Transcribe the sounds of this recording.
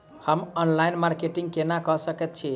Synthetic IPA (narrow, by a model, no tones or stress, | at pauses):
həmɔnlainmaɾkeʈiŋɡ̚kenakəɦsəkɛt̪̚t͡ʃʰi